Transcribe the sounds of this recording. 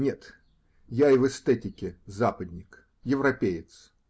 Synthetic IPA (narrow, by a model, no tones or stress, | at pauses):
nʲet̪ | jaɪvɨst̪ɛtʲɪkʲɪzapəd̪ʲnʲɪk | jɪvɾɐpʲejɪt̪s